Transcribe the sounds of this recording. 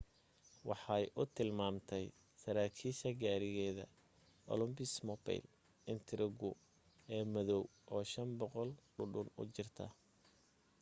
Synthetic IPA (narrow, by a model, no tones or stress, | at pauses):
wɑħɑjʔʊt̪ʰɪlmaːmt̪ʰɛj | sɐɾaːkʰiːʃɐɡaːɾɪɣɛːðɐ̰ | ʔɔ̰lʊmbɪsmɔbɛ̰jl | ɪnt̪ʰɾɪɡʊ | ɛːmɐðɔwʔɔːʃɐmbɔqɔlɖʊɖʊnʊ̰t͡ʃɪrt̪ʰɐ̰